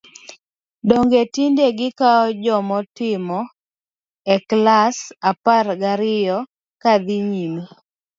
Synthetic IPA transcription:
doŋɡetindeɡɪkaɔd͡ʒɔmɔtɪmɔ | ɛklasaparɡaɾɪjɔ | kad̪iɲimo

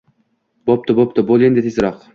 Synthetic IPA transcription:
b̥op̚t̪ʰʊbop̚t̪ʰʊbolˠend̪et̪ʰezɾɒq

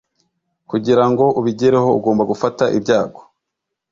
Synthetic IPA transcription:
kuɟiɾaŋɡo̞ʔuβiɟeɾeɦo̞ṵɡo̞ːmbaɡufataʔḭbjaːɡo

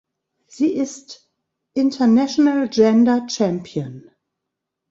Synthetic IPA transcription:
z̥iːɪst | ʔɪ̃ntʰɐnɛʃonald͡ʒɛ̃ndɐt͡ʃɛ̃mpʰiə̃n

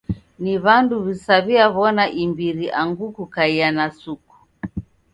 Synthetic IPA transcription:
niβanduβisaβiaβɔnaʔimbiɾiʔaŋɡukukaianasuku̥

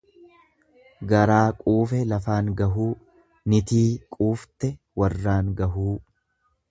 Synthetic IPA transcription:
ɡɐɾaːkʼuːfɛlɐfaːŋɡɐɦuː | nɪt̪iːkʼuːft̪ɛ | wɐrːaːŋɡɐɦuː

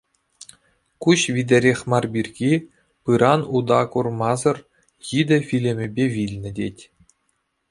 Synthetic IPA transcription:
kuɕʋʲid̪ʲɘ̆ɾʲexʲmɑrbʲirʲɡʲi | pɯɾɑnud̪ɑkurmɑzɤ̆r | jid̪ʲɘ̆fʲilʲɘ̆mʲɘ̆bʲeʋʲilʲnʲɘ̆dʲetʲ

